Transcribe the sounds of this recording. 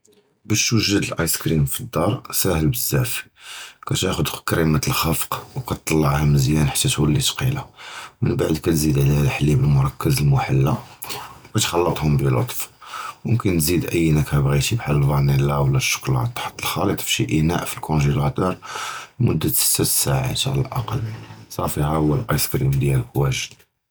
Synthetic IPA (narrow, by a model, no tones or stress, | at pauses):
bæʃwəʒəd̪əlʔɑjskɾimfid̪ːɑɾˤsæhəlbəzːæfkæt̪æxʊd̪kɾimat̪əlxɑfqwkæt̪ˤːɑlːɑʕhæməzjænħḁt̪ːæt̪wəlːit̪qilamənbaʕd̪kæt̪zid̪ʕlihælħlːibəlmʊɾˤɑkːəzəlmʊħalːawkæt̪xɑlːət̪ˤhʊmbilo̰t̪ˤfwəmkənt̪zid̪ʔəjːnækæbɣit̪ibħaləlvɑnilawlːæʃːʊ̥klɑ̰t̪ˤːɑ̥ħt̪ːəlxɑlət̪ˤfʃiʔinæ̰ʔfilkʰõnʒilɑt̪ɑɾˤmʊd̪ːat̪sæt̪saʕa̰t̪ʕa̰lə̰lʔɑ̰qɑlsˤɑfihahʊwːəlʔɑjskɾimd̪jælkwæʒd̪